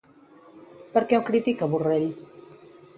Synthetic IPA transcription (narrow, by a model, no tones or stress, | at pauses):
pəɾkɛmkɾit̪ikəβureʎ